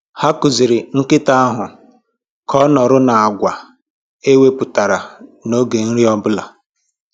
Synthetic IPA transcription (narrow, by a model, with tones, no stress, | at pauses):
ha˦kʊ˨zɪ˨ɾɪ˨ŋ̩˦kɪ˦ta˦a˦ɦʊ˨ | kʰɔ˦nɔ˨ɾʊ˦na˨a˨ɡʷa˨ | e˦we˦pʊ˨ta˨ɾa˨no˦ɡe˨n̩˦ɾi˦ɔ˦bʊ˦la̰˨